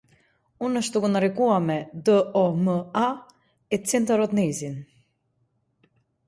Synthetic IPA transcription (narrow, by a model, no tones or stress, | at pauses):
unəʃt̪t̪ukunaɾikuamɛd̪əɔməa | ɛt͡sint̪aɾɔt̪nizin